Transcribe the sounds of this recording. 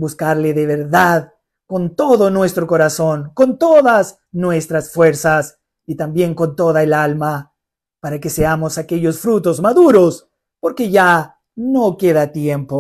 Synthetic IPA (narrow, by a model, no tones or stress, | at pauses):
buskaɾleðeβ̞eɾðað | ko̞nt̪o̞ðo̞nwe̞st̪ɾoko̞ɾaso̞ŋko̞nt̪oðas | nwe̞st̪ɾasfwe̞ɾsas | it̪ambje̞ŋko̞nt̪o̞ðaelalma | paɾake̞seamo̞sake̞ʎo̞sfɾut̪o̞zmaðuɾo̞s | po̞ɾke̞ʝa | no̞ke̞ðat̪je̞mpo